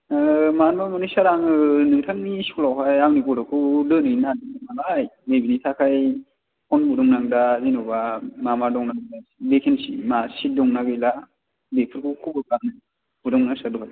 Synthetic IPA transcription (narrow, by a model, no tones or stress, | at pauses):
manbamanɯsaɾaŋɯnɯŋtʰaŋniskulawɦajawnikɔdakʰulɯnɯjnadianalajmebinitʰakʰaj | kʰɔnbudɔŋnaŋdazinɔbamamadɔŋnaɡɯdabekʰensimasit̚dɔŋnaɡɯjla | bepʰɯɾkʰukʰubɯkanɯ | budɔŋnasaɾduhaj